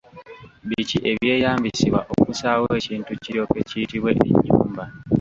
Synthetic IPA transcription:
βiciʔe̞βje̞ːjaːmbisiβwa̰ʔo̞kusaːwe̞ːciːntuciɾo̞ːkecijitiβwe̞ḭɲːṵːmba

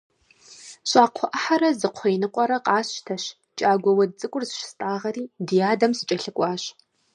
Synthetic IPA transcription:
ɕʷʼaːqʷʰɔʔɐħaɾɐzɨqʷʰɔjnɨqʷʼɔɾɐqʼɑːɕtʰɐɕ | t͡ʃʼaːɡʷɔwɐdt͡sʼɨkʷʼʊrzʃstʼaːʁɐɾiːdɨjaːdɐmsɨt͡ʃʼɐɬɨkʷʼɑːɕ

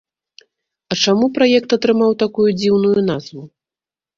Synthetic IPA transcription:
ɐt͡ʂamupɾajɛkt̪ɐt̪ɾɨmawt̪akujud͡zʲiwnujunazvu

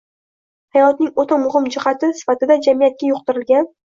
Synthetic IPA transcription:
hajɒt̪nɪŋot̪ʰamʊhɪmd͡ʒɪhat̪ʰɪsɪ̥fat̪ɪd̪ad͡ʒamijat̪̚kʲajʊq̚t̪ɪɾɪlɡʲan

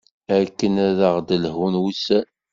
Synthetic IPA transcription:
ækːənæðəʁd̪əlɦunwusæ

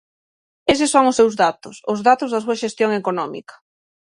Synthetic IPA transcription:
es̬ɪsːoŋʊsːewzðat̪ʊsʊzðat̪ʊzðɐs̬uɐʃest̪joŋekonɔmḭkɐ̥

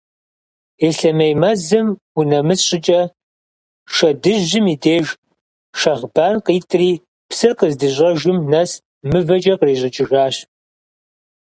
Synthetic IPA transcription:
eːɬɐmejmɐzɨm | unɐmɨsɕʼɪt͡ʃʼɐ | ʃɐdɨʑːɪmiːdeːʒ | ʃɐʁbaːnqiːtʼriː | psɨrqəzdɨʑʷʼɐʒʊmnɐs | mɨvɐt͡ʃʼɐqreːʑʼɪt͡ʃʼɪʒaːɕ

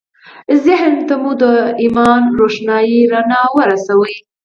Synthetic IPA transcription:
zɪɦnt̪amud̪əimɑnɾoʃnɑjiɾanɑwəɾasawəj

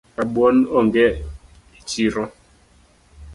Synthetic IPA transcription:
aɓwɔnɔŋɡɛ | it͡ʃiɾɔ

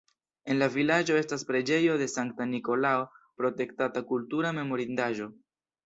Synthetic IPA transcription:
e̞nlavilad͡ʒo̞e̞staspɾe̞d͡ʒe̞jo̞de̞saŋk̚taniko̞lao̞pɾo̞te̞ktatakultuɾame̞mo̞ɾindaʒo̞

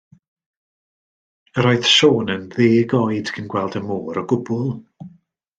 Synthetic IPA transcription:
əɾɔɨθʃoːnənðeːɡɔjd̥kʰənɡwɛlˠdəmoːɾɔɡʊbʊlˠ

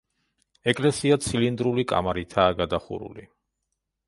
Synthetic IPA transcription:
ɛkʼlɛsiat̪sʰilind̪ɾulikʼa̰maɾit̪ʰaːɡad̪aχṵɾṵli

